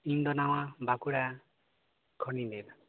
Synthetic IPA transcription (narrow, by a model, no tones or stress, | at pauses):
iɲd̪ɔnaw̃abakuɽa | kʰɔnidɛd̪